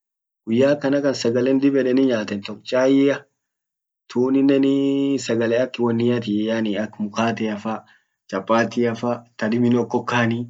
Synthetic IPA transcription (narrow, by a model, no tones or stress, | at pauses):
ɡ̥ʊjːaːkɐnɐkɐnsɐɡɐlɛnd̪ɪbɛᶑɛnɪɲaːt̪ɛnt̪ɔkt͡ʃʼaːjɪɐ | t̪ʰuːnɪnːɛnɪsɐɡɐlɛɐkːwɐnːɪjɐt̪̬ɪjaːniɐkːmʊkaːt̪ɛɐfɐ | t͡ʃʼɐpʼːaːt̪ɪɐfɐt̪ɐdɪmɪnɔkːɔkːaːni